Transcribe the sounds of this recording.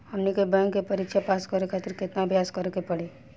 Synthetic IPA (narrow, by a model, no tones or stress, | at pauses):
həmnikebɛ̃ŋkkːepəɾikʃʰapaskəɾekʰat̪ɪɾkɪt̪nabʱjaːskəɾekepəɽi